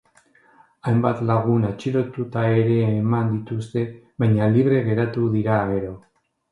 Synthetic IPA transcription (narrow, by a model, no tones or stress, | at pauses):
ajmbat̪laɣ̞unat͡ʃiɾo̞t̪ut̪ae̞ɾe̞ːmand̪it̪ust̪e̞ | βajɲaliβ̞ɾe̞ɣe̞ɾat̪uðiɾaːɣe̞ɾo̞